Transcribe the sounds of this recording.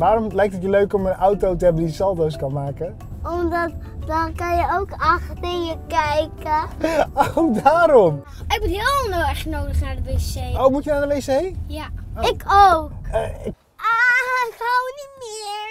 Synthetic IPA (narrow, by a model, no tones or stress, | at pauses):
ʋaːɾɔmlɛjk̚tətjəløɥkɔmənawtowtəɛbdisɔlˠtoskɑnmaːkə | ɔmdɑt | dɑnkɑnjəowkɑxtɪnjəkɛjkəowdaːɾɔm | ɪk̚mutɦɪnoɛɹχənowdəχnaːɹdəbesejowmutjənawɛlesejjaɪkow | ʔaɪkɦawnitmɪːɹ